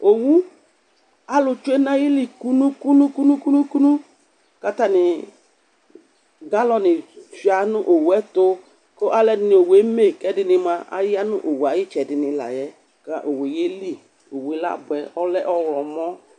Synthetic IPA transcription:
o˨wu˦ | a˨lʊ˨t͡ʃu˦e˦na˦ji˦li˨ku˦nu˦ku˦nũ˦ku˦nu˦ku˦nu˦ku˦nu˦ | ka˦ta˦nɪ˨ | ɡa˦lɔ˧nɪ˨fi˨a˨nʊ˦ʔo˨wɛ˦to˦ | ko˦ʔa˦lɛ˦dɪ˨˦nɪ˨o˨we˨˦me˦˨kɛ˦dɪ˧nɪ˧ma˧ʔa̰˦jɪ˦a˦nʊ̰˦ʔo˨wa˨jɪ˦t͡ʃɛ˨dɪ˨nɪ˨la̰˨jɛ˦ | ka˦ʔo˨we˨je˦li˦ | o˨we˨˦la̰˦˨bʊ˨ɛ˨ɔ˦lɛ˦ʔɔ˦wlɔ˨mɔ˦

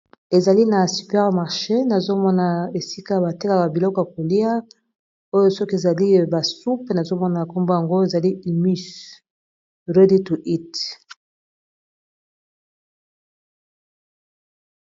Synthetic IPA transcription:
e˨za˨li˦na˨sy˨pɛ˦ʁma˨ʁʃe˦na˨zo˦mɔ˦na˨e˨si˦ka˦˨ba˨te˦ka˨ba˨bi˨lɔ˦kɔ˨ja˨ko˨li˦a˦ | o˦jo˦sɔ˦ke˨za˨li˦ba˨su˦pe˨na˨zo˦mɔ˦na˨ja˨ko˦mbo˦ja˨ŋɡo˦e˨za˨li˦i˨my˦s | ʁe˦di˦tu˨ʔi˦t

